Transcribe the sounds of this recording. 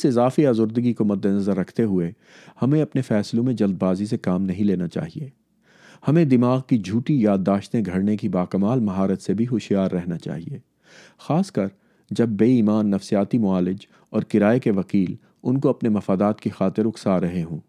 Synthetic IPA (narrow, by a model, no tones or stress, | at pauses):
ɪsɪzaːfiaːzʊɾd̪əɡikomɐd̪ːenɐzəɾːɐkʰt̪eɦʊe | hɐmẽɐpnefɛːslõmẽd͡ʒɐld̪̚baːzis̬ekaːmnɐɦĩleːnat͡ʃa̰ːɦieː | hɐmẽd̪ɪmaːɣkid͡ʒʱuːʈijaːd̪ːaːʃt̪ẽɡʱɐɽnekibaːkɐmaːlmɐɦaːɾət̪sebʱiɦʊʃjaːɾːɛɦnat͡ʃa̰ːɦḭeː | xaːskɐɾ | d͡ʒɐb̚ːeːiːmaːnːɐfsijaːt̪imʊaːlɪd͡ʒ | ɔːɾkɪɾaːekeʋɐkiːl | ʊnkoɐpnemɐfaːd̪aːt̪kixaːt̪ɪɾʊksaɾɐɦeɦũː